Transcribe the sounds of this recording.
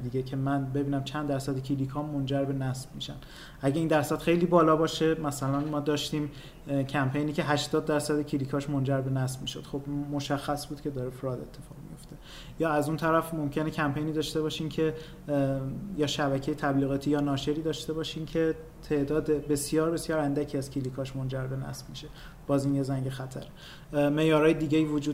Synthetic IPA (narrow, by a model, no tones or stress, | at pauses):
d̪iːɟecʰe̞mænbe̞biːnæmt͡ʃʰænd̪ːæɾsæd̪ecʰilikʰɒmːond͡ʒæɾbe̞næsb̥miʃænd̪ | ʔæɟe̞iːnd̪æɾsæd̪̥xejliːbɒːlɒːbɒːʃe̞mæsælænmɒːd̪ɒːʃt̪iːm | cʰæmpʰe̞jniːcʰe̞ɦæʃt̪ɒːd̪̚ːæɾsæd̪ecʰilikʰɒːʃmond͡ʒæɾbe̞næsb̥miːʃo̞d̪̥xobmo̞ʃæxːæsbuːd̪̚cʰe̞d̪ɒːɾefɾɒːd̪e̞̰t̪ʰːe̞̥fɒːʁmḭjo̞ft̪e̞ | jɒːæzunt̪ʰæɾæfmo̞mcʰe̞necʰæmpe̞jniːd̪ɒːʃt̪e̞βɒːʃiːmcʰe̞ | jɒːʃæbæcʰejet̪ʰæbliːɣɒːt̪ʰiːjɒːnɒːʃe̞ɾiːd̪ɒːʃt̪e̞bɒːʃiːmcʰe̞ | t̪ʰe̞ʔd̪ɒːd̪ebe̞sjɒːɾbe̞sjɒːɾænd̪æcʰiːæzcʰilikʰɒːʃmond͡ʒæɾbe̞næ̰sb̥miʃe̞ | b̥ɒːzinjezæŋɟe̞xæt̪ʰæ̰ɾe | meʔjɒːɾɒːjed̪iːɟeiːvod͡ʒuːd̪